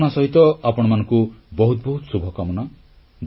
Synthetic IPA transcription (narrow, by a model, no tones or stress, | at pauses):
nasɔɦit̪ɔapɔɽ̃ɔmanɔ̃ŋkubɔɦut̪̚bɔɦut̪subʱɔkamɔna | d̪